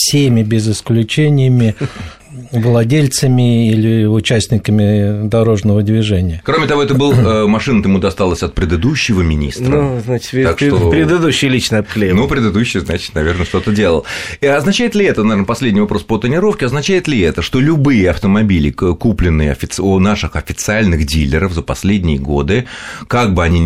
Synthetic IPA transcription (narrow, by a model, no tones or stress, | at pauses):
fsʲemʲɪbʲɪzɪsklʲʉt͡ɕenʲɪjəmʲɪ | vlˠɐdʲelʲt̪səmʲɪilʲɪʊt͡ɕæsʲt̪ʲnʲɪkəmʲɪd̪ɐɾo̞ʐnəvəd̪ʲvʲɪʐɛnʲɪjəkɾomʲɪt̪ɐvoɛt̪əbɨlˠmɐʂɨnət̪əmud̪ɐst̪alˠəsʲɐt̪̚pɾʲɪd̪ɨd̪uɕːɪvəmʲɪnʲḭst̪nəznat͡ɕɪ̥t̪vʲt̪akʂt̪opɾʲɪd̪ɨd̪uɕːɪjlʲit͡ɕnəɐpxlʲenupɾʲɪd̪ɨd̪uɕːɪjznat͡ɕɪ̥t̪nɐvʲe̞rnəʂt̪o̞t̪ədʲelˠə̰lˠɐznɐt͡ɕæɪt̪lʲɪɛt̪ənɐvʲernəpɐsʲlʲedʲnʲɪjvɐpɾo̞spət̪ɪnʲɪɾo̞fkʲɪɐznɐt͡ɕæjɪt̪lʲɪɛt̪əʂt̪o̞lʲʊbɨjɪɐft̪əmɐbʲilʲɪ̰kuplʲɪnːɨjəɐ̰fʲɪt̪snaʂɨxɐfʲɪt̪sɨalʲnɨxdʲilʲːɪɾəfzəpɐsʲlʲedʲnʲɪjɪɡo̞d̪ɨkaɡ̚bɨɐnʲi